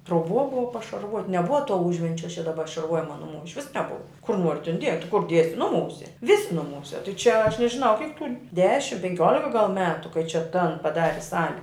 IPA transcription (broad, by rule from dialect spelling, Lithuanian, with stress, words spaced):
truɔˈbuɔ ˈbʊʋɐ pɐʃɐrˈʋoːtʲ nʲɛˈbʊʋɐ tuɔ ˈʊʒʲʋʲɛnʲt͡ʃʲɛ t͡ʃʲɛ dɐˈbɐ ʃɐrˈʋuɔjɪmɐ nʊˈmuː ɪʃʲˈʋʲɪs nʲɛˈbʊʋɐ kʊr ˈnuɔrʲɪ tʲɛn ˈdʲiɛk tʲɪ kʊr ˈdʲiɛsʲɪ ˈnʊˌmuːsʲɛ ˈʋʲɪsʲɪ ˈnʊˌmuːsʲɛ tɐɪ t͡ʃʲɛ ɐʃ nʲɛʒʲɪˈnɐʊ ˈkʲɪk tuː ˈdʲæːʃʲɪm pʲɛŋʲˈkʲoːlʲɪkɐ ɡɐlˠ ˈmʲæːtʊ kɐɪ t͡ʃʲɛ ˈtɐn pɐˈdɑːrʲɪ ˈsɑːlʲɪ